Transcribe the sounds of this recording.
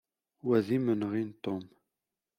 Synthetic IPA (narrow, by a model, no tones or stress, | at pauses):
wæðimənʁint̪om